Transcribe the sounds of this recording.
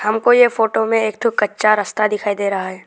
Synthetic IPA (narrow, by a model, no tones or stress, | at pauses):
hɐmkojefoːʈomẽeːkt̪ʰʊkɐtːʃaɾɐst̪ad̪ɪkʰaːid̪eːɾɐɦaɦɛː